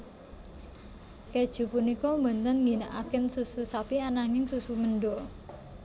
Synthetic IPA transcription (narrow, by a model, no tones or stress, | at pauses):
ked̥ʒ̥ṳpunikɔmbə̤nt̪ənŋɡinaʔakɪnsususapianaŋɪŋsusuməɳɖɔ